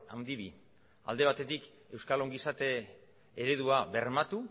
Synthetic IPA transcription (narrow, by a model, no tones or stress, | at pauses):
a̰wnd̪iβi | a̰ld̪e̞β̞at̪e̞t̪ik | e̞wskaloŋɡisat̪e̞ː | ɾe̞ðuaβe̞rmat̪u